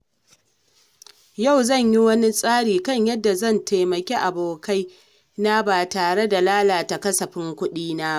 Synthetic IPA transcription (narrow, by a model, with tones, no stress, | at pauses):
ja˦˨wzɐ˦˨ɲji˦wɐ˦ni˦sʼaː˦ɽiː˨kɐ˦ɲjɐ˦dːa˨zɐ˦˨ntʰa˨jmɐ˨kʲe˦ʔa˨boː˨ka˦j | na˦baː˨taː˨ɽe˦da˨laː˦laː˨ta˨kɐ˦sɐ˨ɸɪ˦ŋkʷʊ˦ɗiː˦naː˦˨